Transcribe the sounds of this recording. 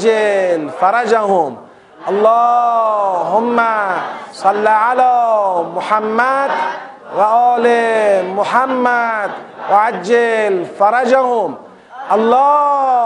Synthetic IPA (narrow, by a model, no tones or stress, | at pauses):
d͡ʒalfɑɾˤɑd͡ʒahʊm | ʔɑlˤːɑː | hʊmːasˤɑlːiʕalaːmʊħamːad̪ | waʔaːlmʊħamːad̪ | waʕad͡ʒːalfɑɾˤɑd͡ʒahʊm | ʔɑlˤːɑː